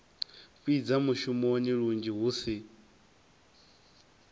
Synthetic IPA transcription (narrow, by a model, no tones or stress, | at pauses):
ɸwid͡zamuʃumoniɺund͡ʒiɦuːsi